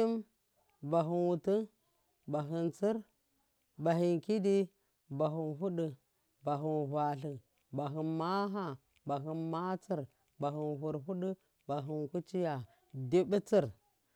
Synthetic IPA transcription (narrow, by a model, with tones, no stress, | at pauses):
i˦m | ba˨ɦu˨nwu˨tu˦ | ba˨ɦi˨nt͡si˦ɾ | ba˨ɦi˨nki˦di˦ | ba˨ɦu˨nɦu˦ɗu˨ | ba˨ɦu˨nhʷa˨ɬi˨ | ba˨ɦi˨nma˦ɦa˦ | ba˨ɦi˨nma˦t͡si˦˨ɾ | ba˨ɦi˨nɦu˨ɾɦu˦ɗu˦ | ba˨ɦi˨nku˦t͡ʃi˦ja˨ | di˦bi˦t͡si˦˨ɾ